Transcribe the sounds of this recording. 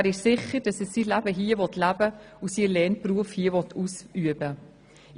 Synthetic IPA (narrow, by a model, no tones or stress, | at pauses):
æɾɪʃsɪχəɾd̥ɑsɛsiːlæbəɦiːəvɔtlæbə | usiːlɛːnpruəfhiːəvɔtʰusyəbə